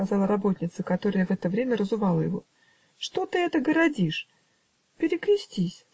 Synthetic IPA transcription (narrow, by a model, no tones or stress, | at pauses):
ɐzɑlˠəɾɐbo̞t̪ʲnʲɪt̪səkɐt̪o̞ɾəjəvɛt̪əvɾʲemʲərəzʊvɑlˠəjɪvo̞̰ | ʂt̪o̞t̪ɨɛt̪əɡəɾɐdʲiʂ | pʲɪɾʲɪkɾʲɪsʲtʲisʲ